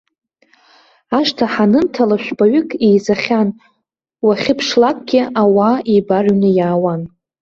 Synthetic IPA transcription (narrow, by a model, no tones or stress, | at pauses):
aʂtʰaħanɨntʰalaʃᶣʷbaɥʏkʼejzaχʲan | waχʲɪpʰʂlakʷʼɡʲɪawaibarɥnɨjaːwan